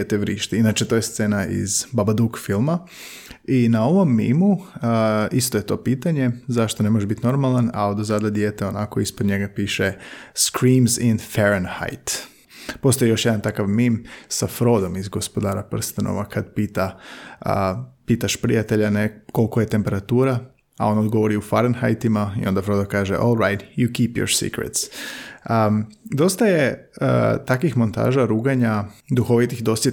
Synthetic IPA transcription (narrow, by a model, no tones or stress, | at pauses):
et̪eʋɾiːʃt̪iinat͡ʃet̪oːjest̪senaḭzbabad̪ukfilˠma | inao̞ʋo̞mːḭmu | ist̪oje̞t̪o̞ːpiːt̪aɲe̞zaʃt̪onemo̞ʒeʒbit̪ino̞ɾmalˠana̰od̪ozad̪ad̪jeːt̪eonako̞ispod̪ɲe̞ɡapiːʃeskɾiːmzinfeɾenha̰jt̪ | po̞st̪ojjo̞ʃjed̪ant̪akaʋmimsafɾo̞d̪o̞mizɡo̞spo̞d̪aːɾapr̩st̪ano̰ʋakad̪piːt̪a | piːt̪aʃpɾḭjat̪e̞ʎaneko̞lˠkojet̪e̞mpe̞ɾat̪uːɾa | a̰o̞nod̪ɡo̞ʋo̞ɾiufaɾenxajt̪imaḭʔo̞nd̪afɾo̞d̪akaːʒeʔolˠɾajt̪jukiːpjo̰ɾsḭkɾḛt̪s | d̪o̞st̪aje | t̪akʋixmo̞nt̪a̰ːʒaɾuːɡaɲad̪uxo̞ʋit̪ixd̪o̞st̪